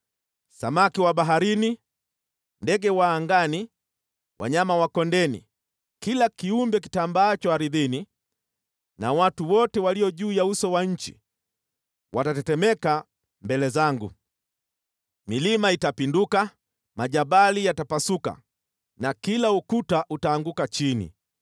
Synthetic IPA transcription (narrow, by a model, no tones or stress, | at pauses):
sa̰makiwaɓaɦaɾini | ndɛɡɛwaːŋɡani | wa̰ɲamawakɔndɛnḭ | kilakiumbɛk̬i̥tambaːt͡ʃɔhaɾiðini | nawatuwɔtɛwaliɔʄuːjausɔwaɲ̩t͡ʃḭ | wʔatatɛtɛmɛka | mbɛlɛzaŋɡṵ | milimaitapinduka | maʄabalijatapasuka̰ | nakilaukutaʔutaːŋɡukat͡ʃinḭ